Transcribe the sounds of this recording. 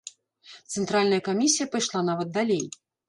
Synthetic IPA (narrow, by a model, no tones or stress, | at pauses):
t̪sɛnt̪ɾalʲnɐjɐkamʲisʲijɐpɐjʂlˠanavɐt̪̚d̪alʲej